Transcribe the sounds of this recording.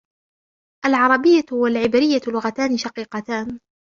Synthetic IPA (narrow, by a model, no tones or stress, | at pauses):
ʔalʕɑɾˤɑbɪjːahwalʕɪbɾɪjːalʊɣat̪aːnɪʃɑqiːqɑt̪aːn